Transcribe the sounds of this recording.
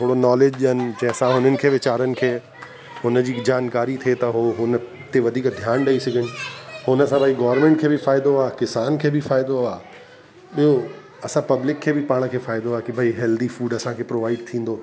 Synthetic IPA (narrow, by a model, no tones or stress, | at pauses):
t̪ʰoːɽonɔːleːd͡ʑʄɪɦənɪ̆d͡ʑɐ̃ɦɐsãɦʊnənɪ̆kʰeːʋɪt͡ɕaːɾənɪ̆kʰeː | ɦʊnəd͡ʑiːd͡ʑaːnkaːɾit̪ʰiet̪ɐɦoɦʊnə | t̪eʋɐd̪ʱiːkd̪ʱjaːnɗɐisɐɡʱɪɽ̃ɪ̆hʊnəsãbʱɐiɡɔːʋəɾmẽːɳʈ̚kʰeːbʱɪfaːɪd̪oaːkɪsaːnkʰeːbʱɪfaːɪd̪oaː | ɓijo | ɐsãpɐblɪkʰːeːbʱɪpaːɽ̃̆kʰeːfaːɪd̪oaːkibʱaiɦɛːld̪ifuːɖɐsãkʰeːpɾoːʋaːɪɖt̪ʰĩːn̆d̪oː